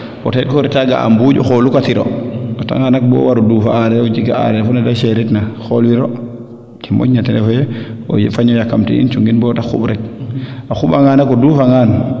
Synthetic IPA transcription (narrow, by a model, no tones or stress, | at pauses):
pɔtet̚koɾitaɡa̰ʔa̰mbuɟuxolukatiɾo̰ota̰ŋanak̚bɔ̰waɾudufaaɾɛd͡ʒikaa̰ɾɛfɔnɛdaʃeɾitnaxolwiɾo | kimo̰ɟnatɛnɛfɔjɛo̰jifaɲɔjakːamtḭḭnt͡ʃuŋɡinbɔtaxṵbɾɛk̚axubaŋanakoduːfaŋaːn